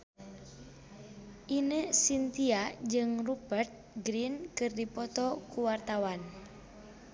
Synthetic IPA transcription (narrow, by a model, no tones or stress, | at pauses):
ʔinəsint̪iad͡ʒɨŋrubərt̪̚ɡɾinkɨrdipɔt̪ɔkuwart̪awan